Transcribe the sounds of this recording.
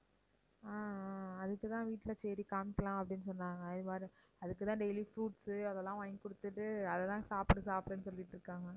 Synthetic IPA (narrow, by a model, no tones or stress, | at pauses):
aːɐðɯkːɯt̪ãːʋiːʈːɪlɐt͡ʃeːɾikaːmɪkːɐlãːɐpːɐɽɪnːɯsɔnːaːŋɡɐɪðɯmaːd̪ɾi | ɐðɯkːɯt̪ãːɖejlifɾuːʈsɯɐðɛlːãːʋɐjɪŋkʊɽɯt̪ːɯʈːɯɐðɐt̪ãːsaːpɽɯsaːpɽɐnːɯs̬ɔlːɪʈːɾɯkːaːŋɡɐ